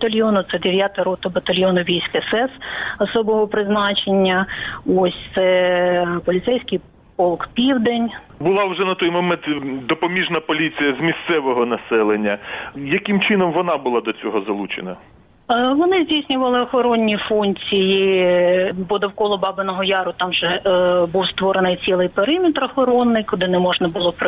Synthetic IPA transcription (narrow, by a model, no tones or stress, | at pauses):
ɐt̪ɐlʲjɔnʊt̪sɛd̪eʋʲjat̪ɐɾɔt̪ɔbɐt̪ɐlʲjɔnʊʋʲijsʲkɪsɛsɔsɔbɔɦɔpɾɪznɑt͡ʃenʲːɐɔsʲt̪sɛ | pɔlʲɪt̪sɛjsʲkɪj | pɔlˠkpʲiwd̪enʲ | bʊlˠɑwʒɛnɐt̪ɔjmɔmɛnt̪d̪ɔpɔmʲiʒnɐpɔlʲit͡sʲijɐzmʲist̪sɛʋɔɦɔnɐsɛlˠenʲːɐjɐkɪmt͡ʃɪnɔmʋɔnɑbʊlˠɑd̪ɔt͡sʲɔɦɔzɐlˠut͡ʃenɐ | ʋɔnɪzʲdʲijsʲnʲʊʋɐlˠɪɔxɔɾɔnʲːifunʲt͡sʲiji | pɔd̪ɔwkɔlˠɔbɑbɪnɔɦɔjɑɾʊt̪ɑmʒɛbuwst̪ʋɔɾenɪjt͡sʲilˠɪjpeɾɪmʲɪt̪ɾɔxɔɾɔnːɪjkʊd̪ɪnɛmɔʒnɐbʊlˠɔp